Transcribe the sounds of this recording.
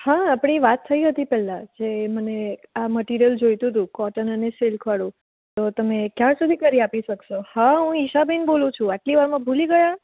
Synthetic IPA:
haːpɽ̃iʋat̪ʰːəiɦət̪ipɛlãd͡ʒeməneaməʈiɾijəld͡ʒojt̪ũt̪̬ũkɔʈənəneselkʰʋaɽũ | t̪ot̪əmekjaɾsud̪ʱikəɾiapiʃəkʃohaɦũiʃabinbolũt͡ʃʰũaʈliʋaɾmãbʱuliɡəja

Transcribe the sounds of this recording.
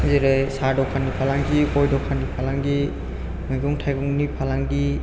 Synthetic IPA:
zeɾesadɔkʰanipʰalaŋɡikɔjdɔkʰanipʰalaŋɡi | mɯjɡɔŋtʰajɡɔŋnipʰalaŋɡi

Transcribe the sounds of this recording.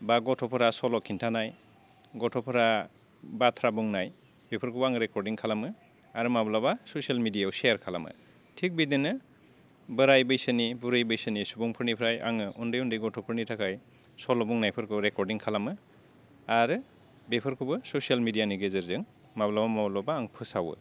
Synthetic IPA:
baɡɔtʰɔpʰɯɾasɔlɔkʰintʰanaj | ɡɔtʰɔpʰɯɾa | batʰɾabuŋnaj | bepʰɯɾkʰubaŋɯɾekɔɾdiŋkʰalamɯ | aɾɯmablabasosialmidijawseaɾkʰala̰mɯ̰ | tʰik̚bidinɯ | bɯɾajbɯjsɯnibuɾɯjbɯjsɯnisubɔŋpʰɯɾnipʰɾajʔa̰ŋɯʔundɯjundɯjɡɔtʰɔpʰɯɾnitʰakʰaj | sɔlɔbuŋnajpʰɯɾkʰɯɾekɔɾdiŋkʰalamɯ | aɾɯ | bepʰɯɾkʰubɯsosijalmidijaniɡezɯɾzɯŋ | mablabamablabaːŋpʰɯsawɯ̰

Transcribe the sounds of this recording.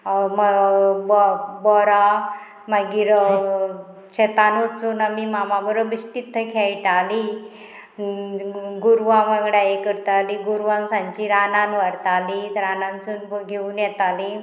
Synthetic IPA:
məbɔbɔɾa | maɡiːɾ | t͡ɕɛt̪anut͡suːnamimamabəɾəbiɕt̪it̪ʰːəkʰajʈali | ɡuɾʋãʋaɡɽajekəɾt̪aliɡuɾʋãnsãɲt͡ɕiɾananʋaɾt̪alit̪ɾanãnt͡sunɡʱeuːnjɛt̪ali

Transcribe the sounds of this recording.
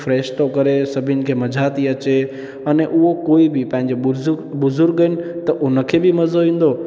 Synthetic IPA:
fɾeːʃt̪okəɾesəbʱinkʰeməd͡ʒʱat̪iət͡ʃe | əneʔuɦokoːibʱipãɲd͡ʒebʊzʊɾɡːənt̪əʔonəkʰebʱiməzoʋĩnd̪o

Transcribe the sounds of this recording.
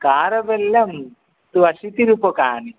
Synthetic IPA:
kaːɾɐʋelːɐm | t̪uɐʃit̪iɾupokaːni

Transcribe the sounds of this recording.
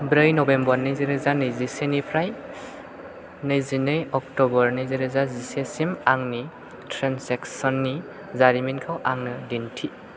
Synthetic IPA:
bɾɯjnɔbembɔɾnɯziɾɯzanɯjzisenipʰɾaj | nɯjzinɯjɔk̚tɔbɔɾnɯziɾɯzazisesimaŋni | tʰɾenseksɔnːi | zaɾiminkʰawʔaŋnɯdintʰi

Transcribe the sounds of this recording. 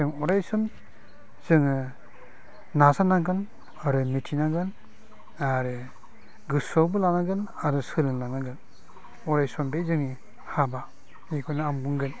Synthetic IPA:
ɯŋɔɾajsɯm | z̥ɯŋɯ | nasanaɡɯn | aɾɯmitʰinaɡɯn | aɾɯ | ɡɯsɔwbɯlanaɡɯn | aɾusɯlɯŋlanaɡɯn | ɔɾajsɔmbezɯŋi | haba | ekʰɔnaambuŋɡɯn

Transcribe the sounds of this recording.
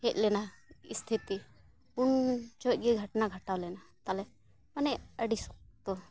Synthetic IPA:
hɛc̚ˀlɛnaist̪ʰit̪i | unt͡ʃɔt̪̚ˀɡɛɡʱəʈnaɡʱəʈawlɛnat̪alɛ | manɛəɖisɔk̚t̪ɔ

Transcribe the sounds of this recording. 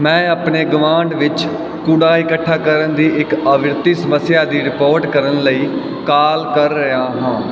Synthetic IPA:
mɛ̃ːəpɳeːɡʊmãːɳɖʋɪt͡ʃ | kuːɽaːɪkəʈʰːaːkəɾənd̪iːɪkəʋɪɾt̪iːsəməsːɪjaːd̪iːɾɪpoːɾʈkəɾənləiː | kaːlkəɾːəjaːɦãː

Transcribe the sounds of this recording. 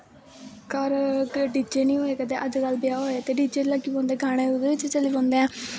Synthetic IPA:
kəɾɖiːd͡ʒeːnĩːɦoːeːkəd̪eːʔəd͡ʒkalbɪjaːɦoːet̪eːɖiːd͡ʒeːlaːkːiːbõːnd̪eːɡaːɽ̃ẽːod̪eːʋɪt͡ʃt͡ʃəliːbɔ̃ːnd̪eːãː

